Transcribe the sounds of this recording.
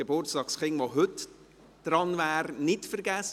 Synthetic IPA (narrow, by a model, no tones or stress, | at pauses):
əbʊrt͡stɑːksχɪŋʋoɦɵt | d̥ɾɑnvæːrnɪtfəɾɡæs